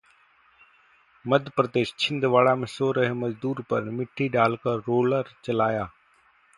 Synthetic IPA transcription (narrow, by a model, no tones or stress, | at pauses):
məd̪ʱpɾəd̪eːst͡ʃʰɪ̃nd̪ʋaːɭaːmẽːsoːɾəɦeːməzd̪uːɾpəɾmɪʈʰiːɖaːlkəɾːoːləɾt͡ʃəlaːjaː